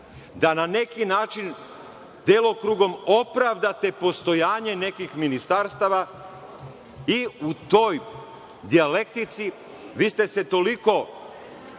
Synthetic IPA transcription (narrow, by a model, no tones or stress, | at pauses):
d̪anane̞kinaːt͡ʃin | d̪̥jeːlˠokɾuɡo̞mo̞pɾaʋd̪at̪e̞po̞st̪o̞jaːɲe̞ne̞kixminist̪aɾst̪aʋa | iut̪o̞j | d̪iale̞kt̪it̪si | ʋiːst̪e̞se̞t̪o̞liko̞